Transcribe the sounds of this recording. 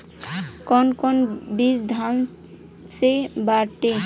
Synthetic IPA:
kɔnkɔnbisd̪ʱan | sebaʈe

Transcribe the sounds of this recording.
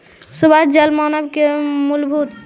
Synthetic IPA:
subad͡ʒɐlmanɐb̚kemulbʱut̪

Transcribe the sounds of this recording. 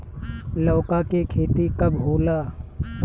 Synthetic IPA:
lɔːkakekʰeːt̪ikɐbɦoːlaː

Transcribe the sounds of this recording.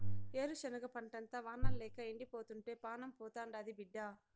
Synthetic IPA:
eːɾuʃɐnɐɡɐpɐɳʈɐnt̪ɐʋaːnːɐlɛːkɐeɳɖipoːt̪uɳʈe̞ːpaːnɐmpɔːt̪aːɳɖɐd̪ibiɖːaː

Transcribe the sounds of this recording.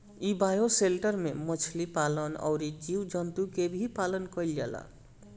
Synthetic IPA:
ibajoselʈəɾmemət͡ʃʰlipalənɔ̰ʊɾid͡ʒiwd͡ʒɔnt̪ukebʱipalənkəjlala̰

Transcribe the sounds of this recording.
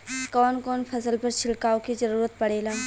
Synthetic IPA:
kɔːnkɔːnpʰɐsəlpəɾt͡ʃʰɪlkaːokizɐɾuːɾət̪̚pɐɽ̤eːlaː

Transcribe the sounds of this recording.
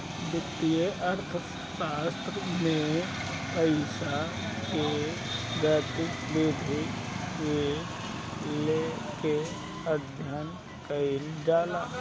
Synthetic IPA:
bɪt̪ːijeʔəɾt̪ʰə | ʃaːst̪ɾəmẽ | pəɪsa | ke | ɡaːt̪ɪkbeːd̪ʱi | je | leke | əd̪ʱjən | kəɪlɖaːlaː

